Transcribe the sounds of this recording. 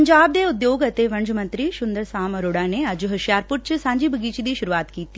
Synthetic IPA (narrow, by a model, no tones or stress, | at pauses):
ɲd͡ʒaːb̚d̪eːʊd̪joːɡɐt̪eʋɐɳd͡ʒmə̃nt̪ɾiʃʊnd̪əɾsaːməɾoːɽãːneɐd͡ʒɦɐʃjaːɾpʊɾt͡ʃsãːɲd͡ʒiːbʱəɡiːt͡ʃid̪iːʃʊɾuaːt̪kiːt̪i